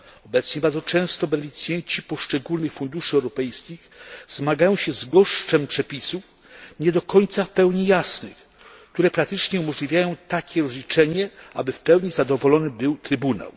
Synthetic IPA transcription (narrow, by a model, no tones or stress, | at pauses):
ɔbɛt̪sɲɛbaɾd̪zɔt͡ʂɛ̃w̃st̪ɔbɛnɛlʲit̪sjɛɲt͡ɕipɔʂt͡ʂɛɡulnɘxfund̪uʂɘɛwɾɔpɛjskʲixzmaɡajɔ̃w̃ɕɛzɡɔʂt͡ʂɛmpʂɛpʲisuf | ɲɛd̪ɔkɔɲt̪safpɛwɲijasnɘx | kt̪uɾɛpɾak̚t̪ɘt͡ʂɲɛumɔʐlʲivʲjajɔ̃w̃t̪akʲɛɾɔzlʲit͡ʂɛɲɛabɘfpɛwɲizad̪ɔvɔlɔnɘbɘwt̪ɾɘbuna̰w